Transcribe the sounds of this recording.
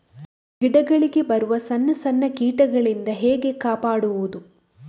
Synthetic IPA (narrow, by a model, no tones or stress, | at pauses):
ɡiɽɐɡɐɭiɡe̞bɐɾuʋɐsɐnːɐsɐnːɐkiːʈɐɡɐɭind̪ɐɦeːɡe̞kaːpaːɽuʋud̪u